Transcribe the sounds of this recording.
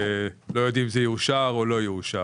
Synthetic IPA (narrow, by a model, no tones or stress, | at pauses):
lo̞jo̞d̪imzejuuʃaʁo̞lo̞jiuʃa